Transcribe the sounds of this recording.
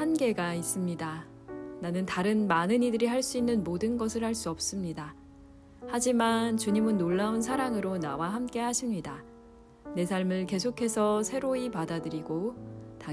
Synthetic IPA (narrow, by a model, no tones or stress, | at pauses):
hanɡe̞ɡais͈ɯmɲida | nanɯntaɾɯnmanɯnidɯɾihaɭs͈uinːɯnmodɯnɡʌsʰɯɭhaɭs͈uʌp̚s͈ɯmɲida | had͡ʑimant͡ɕuɲimɯnːoɭːaunsʰaɾaŋɯɾonawaɦamk͈e̞ɦaɕʰimɲida | ne̞sʰaɭmɯɭke̞sʰokʰe̞sʰʌsʰe̞ɾoipadadɯɾiɡota